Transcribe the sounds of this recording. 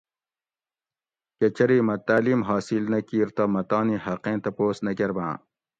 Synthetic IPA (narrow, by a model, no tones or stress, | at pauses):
ket͡ɕɐɾiːmɐt̪aːliːmɦaːsilnɐkiːɾt̪ɐmɐt̪ɑːnihɐqẽːt̪ɐpoːsnɐkeɾbã̰ː